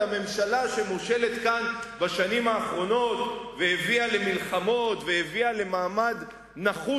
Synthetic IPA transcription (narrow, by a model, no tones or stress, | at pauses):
ame̞mʃalaʃemoʃe̞let̪kanbaʃanimaːχʁo̞no̞t̪veheviale̞milχamo̞t̪veheviale̞maːmad̪ | naχu